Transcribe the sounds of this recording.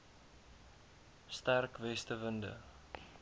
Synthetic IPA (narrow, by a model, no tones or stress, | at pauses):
stærkvɛstəvəndə̰